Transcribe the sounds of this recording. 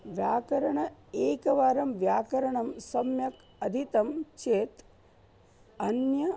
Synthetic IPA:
ʋjaːkɐɾɐɳɐeːkɐʋaːɾɐmʋjaːkɐɾɐɳɐmsɐmjɐk | ɐd̪ʱit̪ɐmt͡ʃeːt̪ | ɐnjɐ

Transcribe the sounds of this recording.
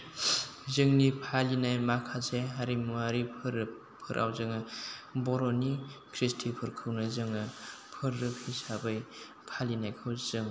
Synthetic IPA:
zɯŋnipʰalinajmakʰaseɦaɾimuaɾipʰɯɾ | pʰɯɾʔa̰wzɯŋɯbɔɾɔnikʰɾistʰipʰɯɾkʰɯwnɯzɯŋɯpʰɯɾːɯpʰisabɯj | pʰalinajkʰɯwzɯŋ

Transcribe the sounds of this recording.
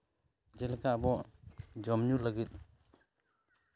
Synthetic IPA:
d͡ʒɛlkaʔbɔd͡ʒɔmɲulaɡit̪̚

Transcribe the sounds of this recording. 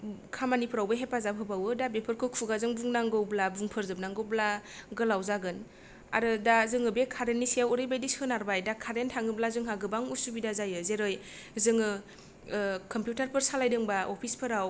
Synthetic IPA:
kʰamanipʰɯɾawbaɦepazapʰɯbawɯdabepʰɯɾkʰɯkʰuɡazɯŋbuŋnaŋɡɯwblabuŋpʰɯɾzɯp̚naŋɡɯwblaɡɯlawzaɡɯn | a̰ɾɯdazɯŋɯbekʰaɾenːisijawɯɾɯjbajdisɯnaɾbajdakʰaɾentʰaŋɯblazɯŋɦaɡɯbaŋusubidazajɯzeɾɯj | zɯŋɯ | kɔmpjutaɾpʰɯɾsalajdɯŋbaʔopʰispʰɯɾaw

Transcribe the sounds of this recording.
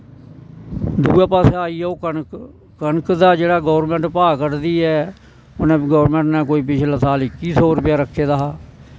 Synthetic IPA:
d̪uːɛːpaːseːaːiːɛːoːkənk | kənkd̪aːd͡ʒeːɽaːɡɔːɾmɛ̃ːɳʈpaːkəɾd̪iːɛː | ʊnẽːɡɔːɾmɛ̃ːɳʈnɛːk̬oːiːp̬ɪt͡ʃʰlãːsaːlɪkiːsoːɾpɪjaːɾəkʰːeːd̪aːaː

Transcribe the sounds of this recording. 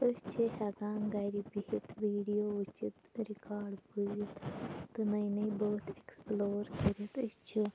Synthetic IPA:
əst͡ʃʰiɦɐɡaːŋɡajɾibiɦit̪ʋiːɖijoːut͡ʃit̪ɾikaːɾɖbuzit̪t̪ɨnɐjnɐjboːt̪eksploːɾkəɾit̪əst͡ʃʰi

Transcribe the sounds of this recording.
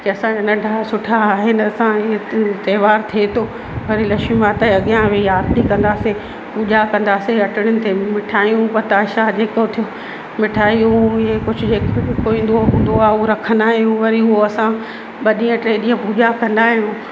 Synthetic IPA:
keɐsãd͡ʑaːnɐɖʱaːsʊʈʰaːɦenɪɐsãɪɦet̪ɐːʋaːɾt̪ʰiet̪ʰoː | ʋɐɾilɐʃũmãt̪ɐɐɠjãʋeaːɾʈ̪ikɐ̃nd̪aːse | puːʄakɐ̃nd̪aːseɐʈɪɽ̃ʊnɪ̆t̪ʰemɪʈʰaːjũpɐɾt̪aːʃad͡ʑeːkot̪ʰijo | mɪʈʰaːjũɪɦekʊd͡ʑʱʊd͡ʑeːkkoĩːn̆d̪oɦũːnd̪oaːoɾɐkʰə̃nd̪aːɦijũʋɐɾiɦʊɦoɐsã | ɓɐɗĩːə̃ʈɾeːɗiːãpuːʄakɐ̃nd̪aːɦijũ

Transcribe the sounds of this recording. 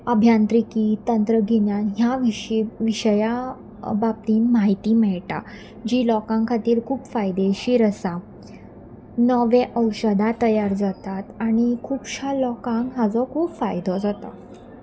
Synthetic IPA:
əbʱjant̪ɾikit̪ənt̪ɾəɡʱinjanɦjaʋiɕiʋiɕəja | bap̚t̪iːnmaɦit̪iːmɛɭʈa̰ | d͡ʑiːlɔkãŋkʰat̪iːɾkʰuːpfajd̪eɕiːɾəsa | nɔʋeʔəwɕəd̪at̪əjaɾd͡zat̪at̪aɽ̃ikʰuːpɕalɔkãŋɡɦad͡zɔkʰuːpfajd̪ɔd͡zat̪ɔ

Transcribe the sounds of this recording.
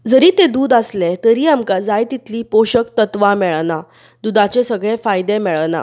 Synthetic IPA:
d͡zəɾiːt̪ed̪uːd̪aslet̪əɾiːamkad͡zajt̪it̪liːpoɕəkt̪ət̪ʋamɛɭna | d̪ud̪at͡ɕesəɡɭẽfajd̪emɛɭna̰

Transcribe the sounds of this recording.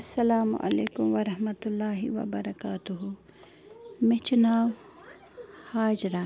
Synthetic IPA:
ɐsːɐlaːmʊ̰ʔɐ̰leːkʊmʋɐɾɐɦmɐt̪ʊlːaːɦiʋɐ̰bɐɾɐkaːt̪ʊɦu | mẽt͡ʃʊnaːw | haːd͡ʒɾa

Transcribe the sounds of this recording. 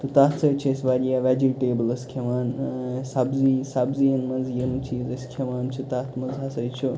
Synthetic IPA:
t̪ɨt̪aːtsɐjt͡ʃʰɐsʲʋaːɾijaːʋad͡ʒiʈeːbəlɐskʰemaːnsabzisaːbzijɐnmɐnzjɐnt͡ʃʰiːzɐsʲkʰɐmaːnt͡ʃʰut̪aːt̪ʰmɐnzɦasɐjt͡ʃʰu

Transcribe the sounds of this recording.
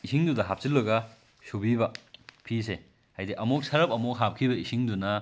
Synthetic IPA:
isiŋdudɐɦap̚silːɐɡɐ | subibɐpʰise | hajdiʔɐmok̚sɐɾɐp̚ɐmok̚ɦap̚kʰibɐisiŋdunɐ

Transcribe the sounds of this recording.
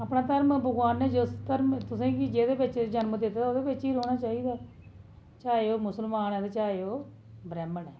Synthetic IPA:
aːpnaːt̪əɾmbəɡwaːnːɛːd͡ʒʊst̪əɾmt̪ʊsẽːkɪd͡ʒeːd̪eːbɪt͡ʃd͡ʒənmd̪ɪt̪ːoːd̪eːbɪt͡ʃiːɾoːɽaːt͡ʃaːiːd̪aː | t͡ʃaːeoːmʊsəlmaːnɛːt̪et͡ʃaːeoː | bɾɛːməɳɛː

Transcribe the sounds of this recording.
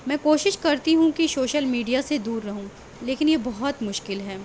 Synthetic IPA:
mɛ̃ːkoːʃɪʃkɐɾt̪iɦũkisoːʃəlmiːɖijased̪uːɾːɐɦũ | leːkɪnjebɐɦɔt̪mʊʃkɪlɦɛː

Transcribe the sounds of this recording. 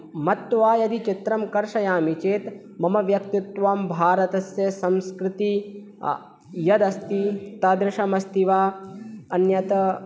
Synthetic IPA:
mɐt̪ːʋaːjɐd̪it͡ʃit̪ɾɐmkɐɾʃɐjaːmit͡ʃeːt̪ | mɐmɐʋjɐkt̪it̪ʋaːmbʱaːɾɐt̪ɐsjɐsɐ̃mskɾɪt̪i | jɐd̪ɐst̪it̪ɐd̪ɾɪʃɐmɐst̪iʋaːɐnjɐt̪ɐ

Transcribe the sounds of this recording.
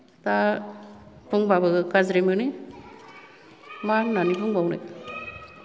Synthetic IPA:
t̪a | pʰuŋbabɯkazɾimɯni | maɾnanipʰuŋbawna̰jt̪̚

